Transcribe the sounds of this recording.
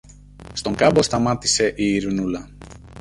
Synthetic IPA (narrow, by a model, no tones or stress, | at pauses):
st̪oŋkɐbo̞st̪ɐmɐt̪ise̞ʔiːɾunulɐ